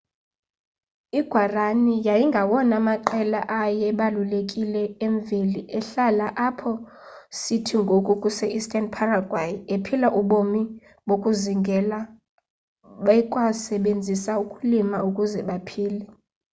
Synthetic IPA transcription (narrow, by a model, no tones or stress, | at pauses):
iɡ̥ʱwaranijajiŋɡʱawɔnamaǃɛlaʔajɛɓalulekʼilɛeɱveliʔɛɬalaʔapʰɔ | sitʰiŋɡʱokʼukʼusɛʔistʼanpʰaraɡʱwajepʰilaʔuɓomi | ɓokʼuziŋɡʱɛla | ɓɛkʼwasɛɓend͡zʱisaukʼulimaukʼuzɛɓapʰiːlɛ